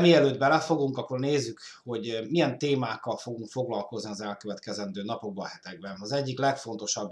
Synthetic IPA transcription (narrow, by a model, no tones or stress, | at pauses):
miɛløːd̪bɛlɛfo̞ɡuŋkɒkːorneːzːykho̞ɟmijɛnt̪eːmaːkkːɒlfo̞ɡuŋkfo̞ɡlɒlko̞zniɒzɛlkøvɛt̪kɛzɛnd̪øːnɒpo̞ɡ̚bɒhɛt̪ɛɡ̚bɛnɒzɛɟːiklɛkfo̞nt̪o̞ʃɒb